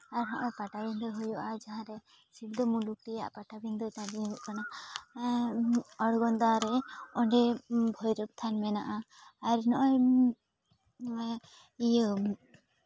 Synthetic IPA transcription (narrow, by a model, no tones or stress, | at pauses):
aɾnɔʔɔjpaʈabind̪ɔɦujɔʔad͡ʒaɦãɾɛ | siɾd̪ɔmuluk̚ʈɛja̰ʔpaʈabind̪ɔt̪ãdĩɦuuʔkana | ɔɽɡɔnd̪aɾɛɔɳɖɛbʱɔjɾup̚t̪ʰanmɛnaʔaː | ɾnɔʔɔj | ijə